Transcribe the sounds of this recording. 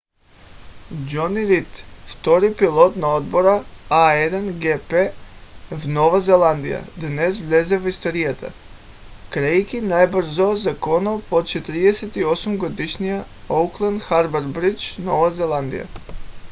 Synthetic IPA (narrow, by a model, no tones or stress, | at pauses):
d͡ʒɔniɾit̪ft̪ɔɾipilˠɔt̪naod̪bɔɾaaɛd̪anɡɛpɛ | vnɔvazɛlˠand̪ija̰d̪nɛsvlʲɛzɛvist̪oɾijat̪ʰa̰ | kɾɛjkinajbəɾ̩zɔzakɔnɔpot̪t͡ʃɛt̪ɾiɛsɛt̪iɔsumɡɔd̪iʃnija | owklˠand̪xaɾbaɾbɾit͡ʃnɔvazɛlˠand̪ḭja̰